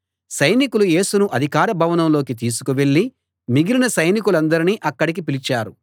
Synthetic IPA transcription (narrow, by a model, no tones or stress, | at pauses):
sɐjnikuluje̞ːsunuʔɐd̪ʱikaːɾɐbʱɐʋɐnɐmlo̞ːkit̪̬iːs̬u̥kuʋe̞ɭːi | miɡiɾinɐsɐjnikulɐnd̪ɐɾiniʔɐkːɐɽik̬ipilit͡ʃaːɾu